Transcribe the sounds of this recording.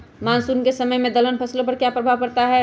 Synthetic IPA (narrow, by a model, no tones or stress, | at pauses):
maːnsuːnkesəməjmẽd̪ələnpʰɐslopɐɾkjapɾɐbʱaʋkɐɾt̪aɦɛ